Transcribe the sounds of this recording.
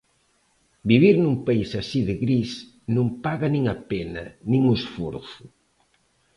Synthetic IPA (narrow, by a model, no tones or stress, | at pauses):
biβiɾnumpaisasiðɪɣɾis | nõmpaɣɐnĩŋapenɐ̰nĩŋʊsfo̰ɾθu